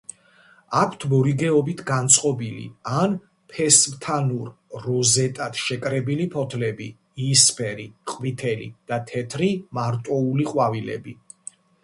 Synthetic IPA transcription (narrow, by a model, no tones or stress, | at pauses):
akʷʰt̪ʰmɔɾiɡɛɔbit̪ʰɡant̪sʼqʼɔbilḭan | pʰɛsmt̪ʰanuɾː | ɔzɛt̪ʼat̪ʃɛkʼɾɛbilipʰɔt̪ʰlɛbi | ispʰɛɾḭqʼvit̪ʰɛlḭd̪̥at̪ʰɛt̪ʰɾimaɾt̪ʼɔuliqʼwavilɛ̰bi